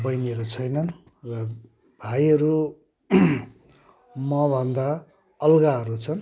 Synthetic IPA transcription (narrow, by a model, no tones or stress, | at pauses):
bʌjneɾot͡sʰʌjnʌn | rʌ | bʱajʌɾu | mʌbʱʌnd̪a | ʌlɡaɦʌɾut͡sʰʌn